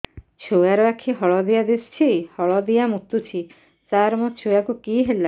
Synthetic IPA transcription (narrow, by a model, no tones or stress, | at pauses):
t͡ʃʰuaɾɔakʰiɦɔɭɔd̪ijad̪est͡ʃʰihɔɭɔd̪ijamut̪ːut͡ʃʰi | t͡ʃaɾmɔt͡ʃʰuakukiɦela